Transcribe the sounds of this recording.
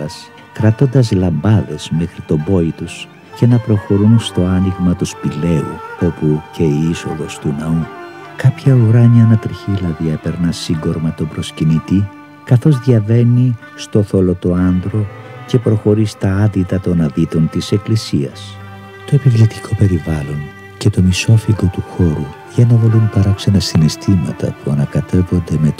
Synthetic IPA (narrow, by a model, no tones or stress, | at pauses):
ɐs | kɾɐt̪o̞nd̪ɐzlɐmbɐðe̞zme̞xɾit̪o̞bo̞it̪us | ce̞nɐpɾo̞xo̞ɾunst̪o̞ɐniɣmɐt̪uspile̞ṵo̞puce̞iiso̞ðo̞st̪unɐu | kɐpçɐuɾɐɲɐːnɐt̪ɾiçilɐðiɐpe̞ɾnɐsiŋɡo̞ɾmɐt̪o̞bɾo̞scinit̪i | kɐθo̞zðʝɐve̞ni | st̪o̞θo̞lo̞t̪o̞ɐnd̪ɾo̞ | ce̞pɾo̞xo̞ɾist̪ɐɐðit̪ɐt̪o̞nɐðit̪o̞nt̪ise̞klisiɐ̰s | t̪o̞epivlit̪i̥kʰo̞pe̞ɾivɐlo̞n | ce̞t̪o̞miso̞fiɡo̞t̪uxo̞ɾu | ʝɐnɐðolunpɐɾɐkse̞nɐsinist̪ʰimɐ̰t̪ɐ̰puɐnɐkɐt̪e̞vo̞nd̪e̞me̞t̪